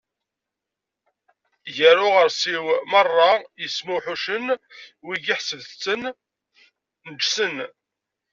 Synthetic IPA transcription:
ʝəɾʊʁəɾsiwmərˤːɑjəsmuħuʃənwiʝiħsəðt͡sːən | nəd͡ʒsən

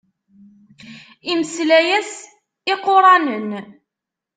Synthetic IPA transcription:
iməslæjæs | ɪqːoɾˤɑnən

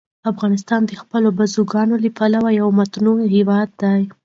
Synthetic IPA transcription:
afɣɑnɪs̬t̪ɑnd̪əxpəlobazuɡɑnolipʰalawajawmat̪nuhewɑd̪ːaj

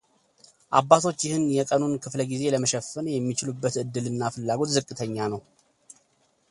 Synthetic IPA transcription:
ʔabːat̪ʰo̞t͡ʃːjɪhɨnjɛkʼənunkʰɨfləɡize̞ləməʃɛfɨnjɛmːit͡ʃɪlubːət̪ɨd̪ːɨlɨnːafɨlːaɡo̞t̪zɨkʼːɨt̪ʰəɲːanəw

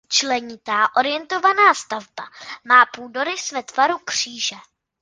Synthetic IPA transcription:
t͡ʃlɛɲɪt̪aːʔo̞ɾɪjɛnt̪o̞vanaːst̪avbamaːpuːdo̞ɾɪsvɛt̪vaɾukr̝̥iːʒɛ

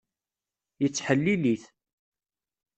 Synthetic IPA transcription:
jət͡sːħəlːiliθ

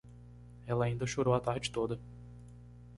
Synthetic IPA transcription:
ɛlɐaːĩnd̪ɐʃoɾowɐt̪aɾd͡ʒɪt̪od̪ɐ

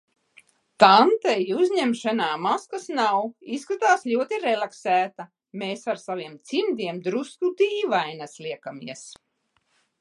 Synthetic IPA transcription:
t̪ant̪ɛjuzʲɲɛmʃanaːmaskasnawiskɾut̪aːsʎʲuɔt̪iɾɛlˠaksæːt̪a | meːsaɾsaviɛmt̪simd̪iɛmd̪ɾuskud̪iːvajnaslˠiɛkamiɛs

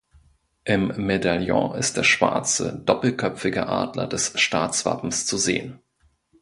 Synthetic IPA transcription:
ʔɪmːedaljɔ̰̃ʔɪst̚d̥eːɐʃv̥a̰ɐt͡sə̰d̥ɔpl̩kʰœpp͡fɪɡəʔa̰ːdlɐ̰dɛsʃtaːt͡sv̥a̰pm̩st͡suzeːən

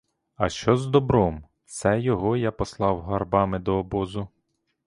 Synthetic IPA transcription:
ɐʃt͡ʃɔzd̪ɔbɾɔm | sɛjɔɦɔjapɔslˠɑwɦɐrbɑmɪd̪ɔːbɔzʊ

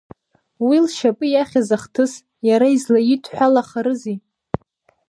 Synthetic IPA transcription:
wilʃapʼɨjaχʲazaχtʰɨs | jaɾaizlajitʰʼħʷᶣalaχaɾɨzi

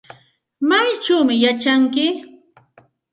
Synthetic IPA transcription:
majt͡ʃawmɪjat͡ʃaŋkɪ

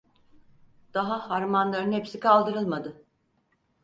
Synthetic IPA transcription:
d̪̥aɦahaɾmanlˠaɾɯnhepsikʰalˠd̪ɯɾɯlˠmad̪ɯ

